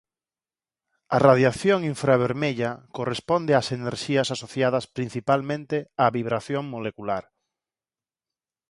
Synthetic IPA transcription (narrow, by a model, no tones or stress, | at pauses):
arað̞jaθjoŋiɱfɾaβeɾmeʎakorespond̪easeneɾʃiasasoθjað̞ɐspɾin̟θipalmẽnt̪eaβiβɾaθjoŋmolekulaɾ